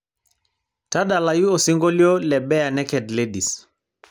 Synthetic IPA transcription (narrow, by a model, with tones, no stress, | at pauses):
ta˦ɗa˨la˨ju˦o˨si˦ŋɡo˦li˦o˦lɛ˨ɓɛ˦ja˨nɛ˦kɛ˨dle˦ɗi˨s